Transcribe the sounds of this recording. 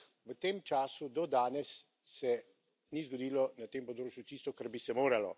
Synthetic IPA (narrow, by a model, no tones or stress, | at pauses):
ʋət̪eːmt͡ʃaːsud̪ɔd̪aːnɛsː | ɛ | nizɡɔd̪iːlɔnat̪eːmpɔd̪ɾoːt͡ʃjut̪iːst̪ɔkaɾbisɛmoːɾalɔ̰